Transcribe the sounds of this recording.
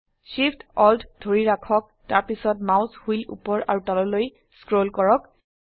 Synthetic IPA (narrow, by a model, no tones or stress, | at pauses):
ʃipʰtɔlddʱoɹiɹakʰɔk̚taɹpisɔtmawshujlṵpɔɹa̰ɹutɔlɔloj | skɹolkɔɹɔk